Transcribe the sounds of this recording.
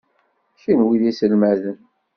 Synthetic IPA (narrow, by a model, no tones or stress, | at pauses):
çinwiðisəlmæðən